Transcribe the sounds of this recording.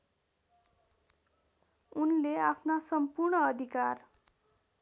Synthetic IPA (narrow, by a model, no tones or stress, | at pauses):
unleapʰnasʌmpurɳʌːd̪ʱikar